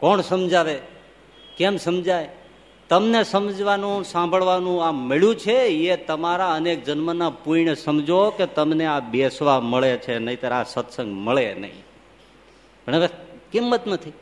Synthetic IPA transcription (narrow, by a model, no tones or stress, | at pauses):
kɔɳsəmd͡ʒaʋe | kemsəmd͡ʒaj | t̪əmnesəmd͡ʒʋanũsãmbʱəɭʋanũameɭjũt͡ʃʰeet̪əmaɾaənek̚d͡ʒənmənapuiɳəsəmd͡ʒoket̪əmneabesʋaməɭet͡ʃʰenəĩt̪aɾasət̪sə̃ŋɡməɭenə̰ɦḭ̃ | bəɳeʋekimːət̪nət̪ʰi